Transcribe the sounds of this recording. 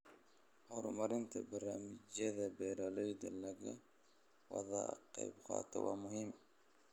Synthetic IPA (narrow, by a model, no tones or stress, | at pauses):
hɔɾʊmɐɾɪnt̪ʰɐbɐraːmɪt͡ʃɐðɐbɛːɾɔlɔjd̪ɐlɐɣɐ | wɑ̰ðɐ̰qɑjbqɑ̰ːt̪ʰɔ̰wɑːmʊɦim